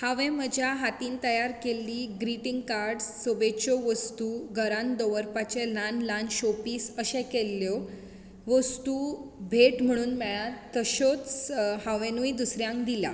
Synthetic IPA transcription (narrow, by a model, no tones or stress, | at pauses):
haʋɛ̃məd͡ʑʱjaɦat̪iːnt̪əjaɾkelːiːɡɾiʈiŋɡkaɾɖsːobet͡ɕɔʋəst̪uːɡʱəɾãnd̪ɔʋəɾpat͡ɕelanlanɕɔpiːsəɕɛ̃kelːjɔ | ʋəst̪ubʱeʈm̤əɽ̃uːnmɛɭat̪ːəɕot͡shaʋẽnuid̪usɾjãŋkd̪ila̰